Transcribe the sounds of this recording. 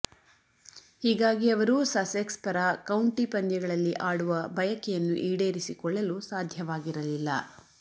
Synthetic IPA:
hiːɡaːɡiɐʋɐɾusɐsekspɐɾakɐwɳʈipɐndjɐɡɐɭɐlːiʔaːɽuʋɐbɐjɐkɛjɐnːuʔiːɽeːɾisikɔɭːɐlusaːd̪ʱjɐʋaːɡiɾɐlilːɐ̰

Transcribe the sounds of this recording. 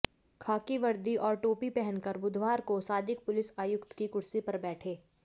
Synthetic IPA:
kʰaːkiʋɐɾd̪iʔɔːɾʈoːpipɛɦɛnkɐɾbʊd̪ʱwaːɾkosaːd̪ɪk̚pʊlɪsaːjʊkt̪kikʊɽsipɐɾbɛːʈʰeː

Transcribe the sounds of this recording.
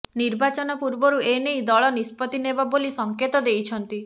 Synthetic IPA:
niɾbat͡ʃɔnɔpuɾbɔɾuenejd̪ɔɭɔnispɔt̪inebabolisɔŋket̪ɔd̪ejt͡ʃʰɔnt̪i

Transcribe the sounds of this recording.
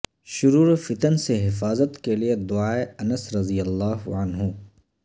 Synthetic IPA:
ʃʊɾuːɾfɪt̪ənseɦɪfaːzət̪kelied̪ʊaːeɐnəsɾɐd̪ijɐlːaːɦʕɐnɦu

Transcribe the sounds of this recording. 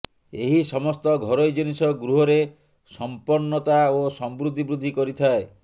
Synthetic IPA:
eɦisɔmɔst̪ɔɡʱɔɾɔjd͡ʒinisɔɡɾuɦɔɾe | sɔmpɔnːɔt̪aosɔmbɾud̪ʱːibɾud̪ʱːikɔɾit̪ʰae

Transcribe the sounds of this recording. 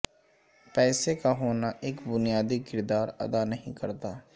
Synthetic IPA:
pɛːsekaɦoːnaʔeːkbʊnijaːd̪ikɪɾd̪aːɾɐ̰d̪anɐɦĩkɐɾt̪aː

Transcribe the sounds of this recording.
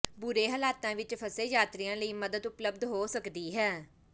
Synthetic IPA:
bʊɾeːɦəlaːt̪ãːʋɪt͡ʃpʰəseːjaːt̪ɾijãːləiːməd̪əd̪ʊpləbd̪ɦoːsəkd̪iːɦɛː

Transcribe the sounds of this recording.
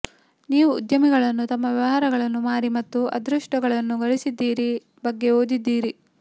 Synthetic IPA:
niːʋuːd̪jɐmiɡɐɭɐnːut̪ɐmːɐʋɐʋɐɦaːɾɐɡɐɭɐnːumaːɾimɐt̪ːuɐ̰d̪ɾuʂʈɐɡɐɭɐnːuɡɐɭisid̪ːiːɾi | bɐɡːe̞oːd̪id̪ːiːɾi

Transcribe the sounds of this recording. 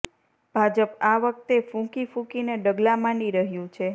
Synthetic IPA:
bʱad͡ʒəpaʋək̚t̪efũkifũkineɖəɡlamaniɾəɦjũt͡ʃʰe

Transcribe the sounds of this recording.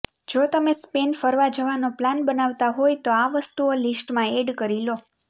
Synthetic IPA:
d͡ʒot̪əmespenfəɾʋad͡ʒəʋanoplanbənaʋt̪aɦojt̪oaʋəst̪uolisʈmãeɖkəɾilo

